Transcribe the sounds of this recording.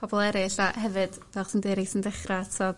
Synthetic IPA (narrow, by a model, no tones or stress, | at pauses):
pɔbɔlˠɛɾɪɬahɛvɨd̥ | vɛlˠχsəndeːɾisəndɛχratʰɔd